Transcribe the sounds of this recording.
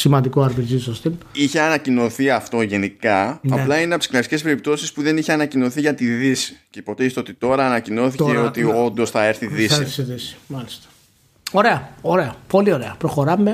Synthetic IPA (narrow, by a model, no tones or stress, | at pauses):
simɐnd̪ikoɐɾpiɾzisost̪iniçe̞ɐnɐcino̞θiɐft̪o̞ʝe̞nikɐnɐplɐineɐp̚t̪sklɐsi̥ce̞spe̞ɾip̚t̪o̞sispuðe̞niçeɐnɐcino̞θiʝɐt̪iðisi̥cepo̞t̪eist̪eo̞t̪it̪o̞ɾɐːnɐcino̞θiceo̞t̪io̞nd̪o̞sθɐe̞ɾθiðisisiðisi̥mɐlist̪ɐ̥ | o̞ɾe̞ɐoɾe̞ɐpo̞lioɾe̞ɐpɾoxo̞ɾɐme